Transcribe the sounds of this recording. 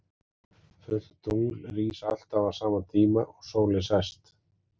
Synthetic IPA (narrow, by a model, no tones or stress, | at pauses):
fʏl̥t̪t̪uŋlriːsal̥t̪avasaːmat̪ʰiːmaʔɔɣsoːwlɪsɛst̪